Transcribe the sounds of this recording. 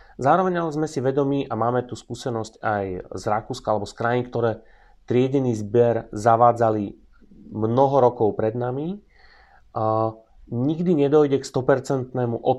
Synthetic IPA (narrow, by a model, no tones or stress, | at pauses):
zaːɾɔʋɛɲalɛzmɛsiʋɛd̪ɔmiːʔamaːmɛt̪uskuːsɛnɔscajzɾakuːskaalɛbɔskɾajnikt̪ɔɾɛː | t̪ɾɪɛɟɛniːzbɪɛɾzaʋaːd͡zali | mnɔɦɔɾɔkɔʊpɾɛd̪nami | ɲiɡd̪iɲɛd̪ɔjɟɛkst̪ɔpɛɾt͡sɛnt̪nɛːmuʔɔ